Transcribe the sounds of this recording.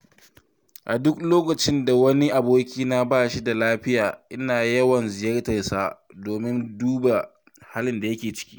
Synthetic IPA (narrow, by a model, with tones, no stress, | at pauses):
ʔa˨dʊ˦k̚loː˦kɐ˨t͡ʃɪ˦nda˨wɐ˦ni˦ʔa˨boː˦kʲiː˦na˦baː˦˨ʃi˦da˨laː˦ɸɪ˦jaː˨ʔɪ˦naː˨jɐ˦wɐ˨nzɪ˨jɐ˦rtɐ˨rsaː˦doː˨mɪ˦nduː˦ba˨ | ha˦lɪ˨nda˨jɐ˦kʲeː˨t͡ʃɪ̥˦kʲi̥̰ː˦